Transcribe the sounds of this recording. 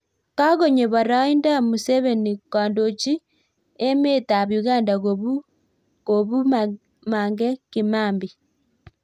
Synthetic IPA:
ka˦ɣo˨ɲe˨βa˨ɾa˦i˦nda˦mu˨sɛβe˨ni˨kaː˨ndo˨t͡ʃi˦ | e˦me˦ta˨βju˨ɣa˦nda˨ɣoβu˦ | ko˨βu˦ | maːŋɡɛ˦kimaː˦mbi˨

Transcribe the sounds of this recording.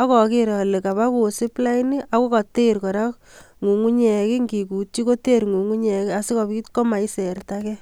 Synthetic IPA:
ɔ˦kɔ˨kɪ˨ɾɔ˨le˨ka˨ba˦ku˨sɪ˦pla˦ini˦ʔa˦ko˦ka˨te˦ɾkɔ˨ɾa˦k | ŋu˨ŋu˦ɲɛ˨kɪ˦ŋɡi˨ku˨t͡ʃi˦ko˦te˦ɾŋu˨ŋu˦ɲɛ˨kɪ˦a˨sɪ˦kɔ˨pi˦tkɔ˦ma˨i˦se˨rtakɛ˦

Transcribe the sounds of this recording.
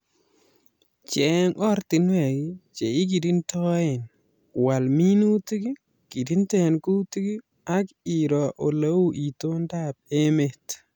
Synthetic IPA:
t͡ʃe˨˦ŋɔ˦ɾti˨nwe˨ɡi˦t͡ʃe˨i˦k̬i˨di˦ntɔ˦jɛ˨n | wa˨lmi˦nu˦ti˦ɡi˦ | ki˨di˦nte˦˨nku˦ti˦ɡi˦ | a˦ki˨ɾɔ˨ʔo˨la˦wu˦ʔi˨to˦nda˦p̚e˦me˨t

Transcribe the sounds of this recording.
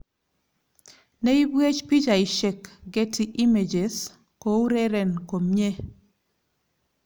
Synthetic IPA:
ne˦i˦bwe˦t͡ʃpi˦d͡ʒa˨i˨ʃe˨kɡe˦ti˦ʔi˦me˨d͡ʒe˨s | ko˨˦u˦ɾe˦ɾɛ˨nko˨mɲe˦

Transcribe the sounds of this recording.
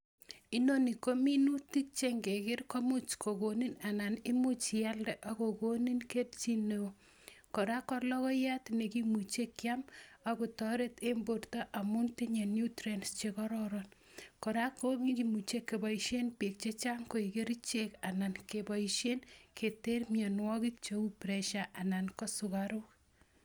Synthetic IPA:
i˦noni˨ko˦mi˦nu˦ti˦k̚t͡ʃeŋɡe˨ke˦rko˦mu˦t͡ʃkʰo˨koni˦na˨na˨ni˦mu˦t͡ʃja˦ldɛ˨ʔako˨ko˦ni˦nke˦lt͡ʃi˦neo | ko˨ɾa˦kɔrlɔ˦kɔ˦ja˦tne˨kimu˨t͡ʃe˦kːjamakutɔɾe˦tembo˨rta˦ʔa˨mu˦ntiɲe˨njutɾenst͡ʃekɔɾɔɾɔn | kɔ˨ɾako˦kikimu˨t͡ʃe˦kːe˨bɔ˨iʃenpi˨k̚t͡ʃe˦t͡ʃa˦ŋko˨ike˦ɾit͡ʃeka˨na˨nkebɔiʃe˦nkʰe˨te˦rmjanwɔ˦kik̚t͡ʃoupɾɛʃaʔa˨nankɔ˦sukaɾuk

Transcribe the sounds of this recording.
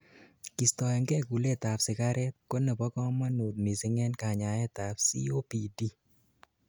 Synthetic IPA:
ki˨stɔ˨ɛ˨ŋɡɛ˦ku˨le˦˨t̪a˨psɪ˨ka˦ɾʔɛ˦t̪̚ko˦nɛ˨pɔ˦kɔ˦ma˦no˨tni˨sɪ˦ŋɛ˦nka˨ɲa˨ɛ˦t̪a˨psḭ˦o˦pi˨di˦

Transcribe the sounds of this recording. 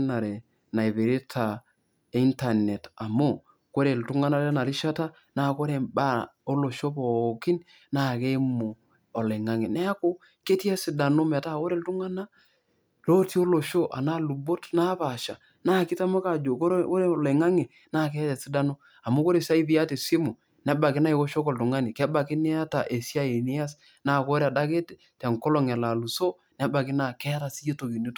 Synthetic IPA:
na˨ɾe˨ | na˨i˨βe˨ɾe˦tʰa˨˦ | i˦nta˨nɛ˨ta˨mo˦ | ko˦ɾe˨ltu˦ŋa˦na˦ɾa˦na˨ɾi˦ʃa˦ta˦ | na˦˨ko˦ɾe˨ba˦o˦lo˨ʃo˦pɔ˨ki˦n | na˦˨ke˦mo˨ | ɔ˨lɛ˨ŋa˦ŋe˨nɛ˦a˦ko˦ | ke˦ti˦ɛ˦si˨da˨no˦mɛ˨ta˦ko˦ɾe˨ltu˦ŋa˦na˦ | lo˦ti˦o˦lo˨ʃo˦ʔa̰˨na˦lu˨bo˦tna˦pa˨ʃa̰˨ | na˦˨kɪ˦ta˦mʊ˦ka˨d͡ʒo˨ko˦ɾo˦ɾe˦˨le˨ŋa˦ŋe˨ | na˦˨k̬ɛ˦tɛ˨sɪ˦da˦no˦ | a˨mʊ˦ko˦ɾe˨sa˦i˦bɪ˦a˦te˨sɪ˦mo˨ | nɛ˦ba˨kɪ˦na˦i˨ko˦ʃo˦ko˨ltʊ˨ŋa˦nɪ˨kɛ˦ba˨kɪ˦ni˦a˦ta˨ʔe˨si˦a˦e˨nɪ˦a˦s | naː˦˨ko˦ɾa˨da˦ke˦t | tɛ˨ŋkɔ˦lɔ˨ŋɛ˨la˨lu˨so˦ | nɛ˦ba˨kɪ˦na˦˨kɛ˦a˦ta˨si˦je˦to˨ki˨ni˦t

